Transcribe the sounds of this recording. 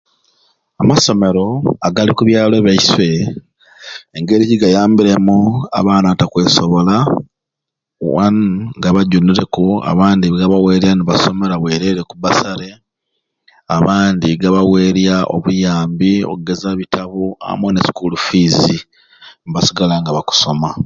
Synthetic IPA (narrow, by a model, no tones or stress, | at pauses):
amaso̞me̞ɾo̞aɡalikuβjaːlwe̞βaiswe̞ | ŋɡe̞ɾiciɡajaːmbiɾe̞mua̰βaːnatakwe̞ːsoβo̞la | wa̰nɡaβaɟuniɾe̞koa̰βaːndiɡaβawe̞ːɾjaniβaso̞me̞ɾaβwe̞ːɾeɾekuβasaɾe | aβaːndiɡaβawe̞ːɾjaʔo̞̰βujaːmbio̞̰ɡe̞zaβitʰaβua̰mwonesi̥kulufizi | niβasiɡalaŋɡaβaku̥so̞ma